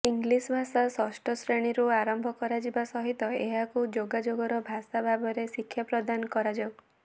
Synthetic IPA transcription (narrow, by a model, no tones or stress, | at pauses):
iŋɡlisbʱasasɔsʈɔsɾeɽ̃iɾuaɾɔmbʱɔkɔɾad͡ʒibasɔɦit̪ɔeɦakud͡ʒoɡad͡ʒoɡɔɾɔbʱasabʱabɔɾesikʰːjapɾɔd̪ankɔɾad͡ʒɔwɡ